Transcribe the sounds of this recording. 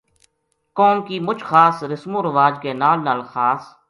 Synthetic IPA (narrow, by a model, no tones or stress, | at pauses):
kɔːmkiːmʊt͡ʃʰxaːsɾɪsmõːɾəʋaːd͡ʒkeːnaːlnaːlxaːs